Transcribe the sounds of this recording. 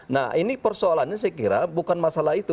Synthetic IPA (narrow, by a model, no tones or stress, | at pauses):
na̰hinipərsoalanɲas̬əkiɾabukanmasalahit̪u